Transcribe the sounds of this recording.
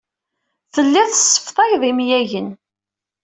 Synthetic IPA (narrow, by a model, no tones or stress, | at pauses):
θəlːæθəsːə̥fθˤɑjðˤimjæʝən